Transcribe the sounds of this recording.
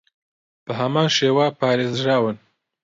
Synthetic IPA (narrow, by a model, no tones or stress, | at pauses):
b̥ɨɦɐmaːnʃeːwapʰaːɾeːzʒaːwɨn